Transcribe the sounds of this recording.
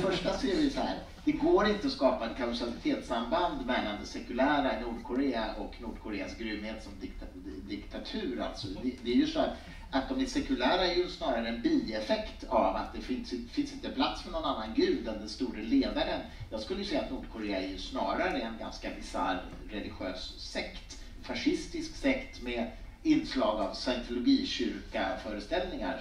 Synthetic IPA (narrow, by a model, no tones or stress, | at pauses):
fœʂʈaseːɾvɪjsɔhæ̰ːɾ | d̪ɛɡoːɾɪnt̪əɔskɑːpaɛt̪̚kʰasalɪt̪ʰeːt̪samband̪mɛland̪ɛsɛkɵlæːɾaɪnuːɖkʰʊɾeːaʔɔknuːɖkʰʊɾeːasɡɾʏmːheːt̪sɔmd̪ɪkt̪ | d̪ɪkt̪ʰat̪ʰʉ̟ːɾa̰lt̪sɔd̪ɛd̪ɛæɾjɵsɔæɾ | at̪̚d̪ɔmæʂɛkɵlæːɾaɛɾjɵsnɑːɾaɾəɛnbiːɛfɛkt̪ʰavat̪̚d̪ɛfɪnsfɪnsɪnt̪əpʰlat̪sfœɳnɔnanːanɡʉ̟ːd̪ɛnd̪ɛnst̪uːɾəleːd̪aɾən | jɑːɡskɵləjɵsɛjːat̪nuːɖkʰʊɾeːaæɾjɵsnɑːɾaɾəɛnɡa̰nskabɪsa̰ɾɾɛlɪɧøːsːɛkt̪ | faʂɪst̪ɪsksɛkt̪mɛ | ɪnːslɑːɡavsɛnt̪ʰʊlʊɡiːɕʏɾkafœːɾəst̪ɛlnɪŋa̰ɾ